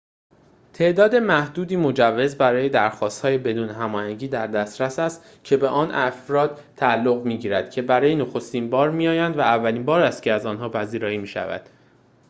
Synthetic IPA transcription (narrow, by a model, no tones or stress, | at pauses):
t̪ʰe̞ʔd̪ɒːd̪e̞mæhd̪uːd̪iːmo̞d͡ʒævːe̞zbæɾɒːje̞d̪æɾxɒːst̪hɒːje̞be̞d̪uːneɦæmɒːhæɲɟiːd̪æɾd̪æst̪ɾæsæst̪ | cʰe̞beʔɒːnʔæfɾɒːd̪ | t̪ʰæːlːo̞ɣmiːɟiːɾæd̪̥cʰe̞bæɾɒːjeno̞xo̞st̪iːnbɒːɾmijɒːjænd̪væævːæliːnbɒːɾæst̪̚cʰeæzɒːnɦɒːpʰæziːɾɒːjiːmiːʃæ̰væ̰d̪̥